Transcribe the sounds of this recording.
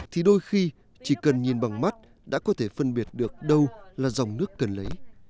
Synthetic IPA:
t̪ʰi˨˩ɗo˧jxi˧ | t͡ɕi˧˩kə˨˩nɲi˨˩nɓa˨˩ŋma˦˥t̚ | ɗa̰ː˧˥kɔ˨˦t̪ʰe˧˩fə˧nɓi˨˩ət̚ɗɨ˨˩ək̚ɗə˧wlaː˨˩za˨˩wŋ͡mnɨ˦˥əkːə˨˩nlə˨˦j

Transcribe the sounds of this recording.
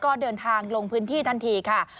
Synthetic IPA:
kɔː˥˩dɤː˧nt̪ʰaː˧ŋlo˧ŋpʰɯː˦˥nt̪ʰiː˥˩t̪ʰa˧nt̪ʰiː˧kʰa˥˩

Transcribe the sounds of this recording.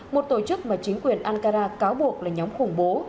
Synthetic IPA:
mo˨˩t̚t̪o˧˩t͡ɕɨ˦˥k̚maː˨˩t͡ɕï˨˦ŋ̟kwi˨˩ənʔaː˧nkaː˧zaː˧kaː˨˦wɓu˨˩ək̚laː˨˩ɲɔ˨˦ŋ͡mxʊ˨˧˩ŋ͡mɓo˨˦

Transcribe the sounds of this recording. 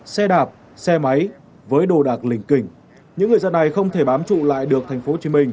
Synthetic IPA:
sɛ˧ɗaː˨˩p̚ | sɛ˧ma˨˦j | vəː˨˦jɗo˧˨˩ɗaː˨˩k̚lï˨˧˩ŋ̟kï˧˩ŋ̟ | ɲɨ̰˧˥ŋɨ˨˩əjzə˧nːa˨˩jxə˧wŋ͡mt̪ʰe˧˩ɓaː˨˦mt͡ɕṵ˧˨la̰ː˧˨jɗɨ˨˩ək̚t̪ʰa˨˩jŋ̟fo˨˦t͡ɕi˨˦mï˧ŋ̟

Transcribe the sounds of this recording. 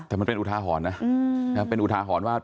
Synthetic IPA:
t̪ɛː˨˩ma˧npe˧nʔt̪ʰaː˧ɦɔː˩˦nːa˦˥na˦˥pe˧nʔu˨˩t̪ʰaː˧ɦɔː˩˦nwaː˥˩

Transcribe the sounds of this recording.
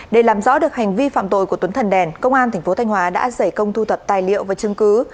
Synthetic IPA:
ɗe˧˩laː˨˩mzɔ̰˧˥ɗɨ˨˩ək̚ha˨˩jŋ̟vi˧fa̰ː˧˨mt̪o̰˧˨jku˧˩t̪wə˨˦nt̪ʰə˨˩nɗɛ˨˩nkə˧wŋ͡mʔaː˧nt̪ʰa˨˩ŋ̟fo˨˦t̪ʰa˧jŋ̟ɦwaː˨˦ɗa̰ː˧˥zə˧˩jkə˧wŋ͡mt̪ʰu˧t̪ʰə˨˩p̚t̪aː˨˩jlḭ˧˨əwvaː˨˩t͡ɕɨ˧ŋkɨ˨˦

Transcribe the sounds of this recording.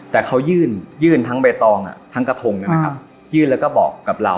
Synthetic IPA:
t̪ɛː˨˩kʰa˦˥wjɯː˥˩njɯː˥˩nt̪ʰa˦˥ŋbe˧t̪ɔː˧ŋʔa̰˨˩t̪ʰa˦˥ŋka˧t̪ʰo˧ŋnɛ˦˥˩m˦kʰa˦˩˥ | jɯː˥˩nlɛ˦˥wkɔː˥˩bɔ̰ː˨˩kːa˨˩p̚la̰˧w

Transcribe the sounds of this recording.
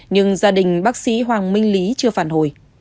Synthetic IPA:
ɲɨ˧ŋzaː˧ɗï˨˩ŋ̟ɓaː˦˥k̚sḭ˧˥ɦwaː˨˩ŋmï˧ŋ̟li˨˦t͡ɕɨ˧əfaː˧˩nho˧˩j

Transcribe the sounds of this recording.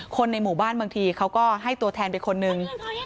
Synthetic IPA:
kʰo˧nːa˧jmuː˨˩baː˥˩nbɯ˧əŋt̪ʰiː˧kʰa˦˥wkɔː˥˩ɦa˥˩jt̪u˧ɐt̪ʰɛː˧npa˧nkʰo˧nːɯ˧ŋ

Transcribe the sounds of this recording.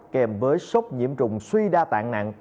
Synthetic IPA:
kɛ˨˩mvəː˨˦jsə˦˥wk͡p̚ɲḭ˧˥əmt͡ɕʊ˨˩ŋ͡mswi˧ɗaː˧t̪a̰ː˧˨ŋna̰ː˧˨ŋ

